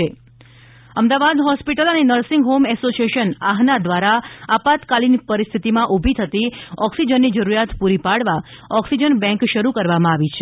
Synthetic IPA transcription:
e | əmd̪aʋad̪ɦɔspiʈələnenəɾsĩŋɡɦomɛsosieʃənaɦnad̪ʋaɾaapat̪kalinipəɾist̪ʰit̪imãʔubʱit̪ʰət̪iɔksid͡ʒənːid͡ʒəɾuɾjat̪puɾipaɽʋaɔksid͡ʒənbɛ̃ŋkʃəɾukəɾʋamãaʋit͡ʃʰ

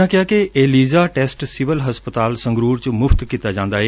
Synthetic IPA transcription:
ãkɪjaːkeʔeːliːzaːʈeːsʈsɪʋəlɦəspət̪aːlsə̃ŋɡɾuːɾt͡ʃəmʊft̪kiːt̪ad͡ʒãːnd̪aːɦeː

